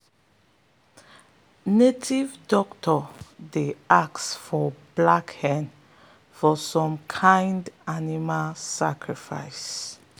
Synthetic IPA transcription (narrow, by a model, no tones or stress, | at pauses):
netʰivdɔktʰɔdeaksfɔblakhɛ̃n | fɔsɔ̃mkʰãɪndanimalsakɹifa̰ɪs